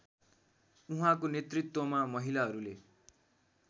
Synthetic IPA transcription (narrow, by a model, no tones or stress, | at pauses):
uɦãkonet̪rit̪wʌmamʌɦilaɦʌɾule